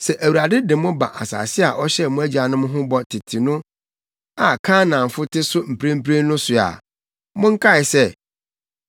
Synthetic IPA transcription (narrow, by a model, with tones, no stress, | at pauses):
sɛ˨ʔæ˨wu˨ɾa˨dɪ˦dɪ˨mʊ̃˦ba̰˨ʔa˨sa̰ː˨sɪ˦a˨ʔɔ˦ɕɛ˦mʊ̃˦æ˦d͡ʑi˨a˨nʊ̃˦mʊ̃˦ɦʊ̃˦bɔ˦tʰɪ˨tʰi˨nʊ̃˦ | a˨kʰãː˦nã˨ɱ̩˨fʊ˦tʰɪ˦sʊ˦m̩˨pʰɾẽ˦m̩˦pʰɾẽ˦n˦nʊ̃˦sʊ˨a̰˨ | mʊ̃˦ŋ̩˦kʰa˦˨ɪ˨sɛ˦